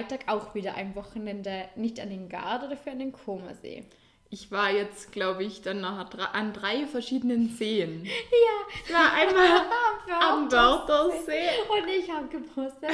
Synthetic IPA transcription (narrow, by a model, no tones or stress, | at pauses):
ltʰaːkaʊxv̥iːdɐʔa̰ɪnvɔxn̩ʔɛndənɪçtandeːnɡa̰ɐodafyːɐandeːnkʰoːmɐ̰zḛː | ʔɪçv̥aːɐjɛt͡stɡ̥laʊbəɪçd̥anːɔχdʁaʔandʁaɪfɛɐʃiːdənənzeːənjaːvaːɐʔaɪnmaːlmfaamdɔʁdɐzeːʊnɪçhaːbəɡəpʰoːstə